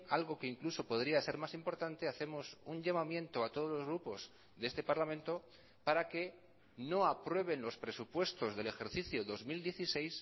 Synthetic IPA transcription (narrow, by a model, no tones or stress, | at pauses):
alɣ̞o̞ke̞iŋkluso̞po̞ðɾiase̞ɾmasimpo̞ɾt̪ant̪e̞aθe̞mo̞suɲʎamamjẽ̞nt̪oat̪o̞ðo̞zlo̞zɣ̞ɾupo̞s | ðee̞st̪e̞paɾlamẽnt̪o̞ | paɾake̞ | no̞apɾwe̞β̞e̞nlo̞spɾe̞supwe̞st̪o̞zðe̞le̞xe̞ɾθiθjoðo̞zmild̪je̞θise̞js